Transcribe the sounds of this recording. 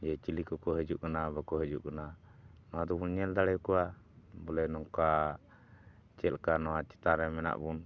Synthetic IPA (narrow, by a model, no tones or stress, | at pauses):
d͡ʒɛt͡ʃilikɔkɔɦəd͡ʒuʔkanabakɔɦəd͡ʒuʔkananɔwad̪ɔbunɲɛld̪aɽɛjkɔwa | bɔlɛnɔŋka | t͡ʃɛlkanɔwat͡ʃɛ̥t̪aɾɛmɛna̰ʔbun